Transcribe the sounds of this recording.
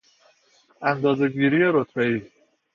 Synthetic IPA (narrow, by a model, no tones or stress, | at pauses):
ʔænd̪ɒːze̞ɡiːɾijeɾot̪ʰbeiː